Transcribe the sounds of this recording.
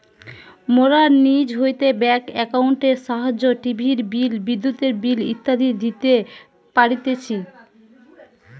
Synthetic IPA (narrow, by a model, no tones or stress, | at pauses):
moɾaɾnid͡ʑɦojt̪ebɛkɛkauɳʈeɾʃaɦad͡ʑoʈibʱiɾbilbid̪ːut̪eɾbilḭt̪ːad̪ʱid̪it̪e | paɽit̪et͡ɕʰi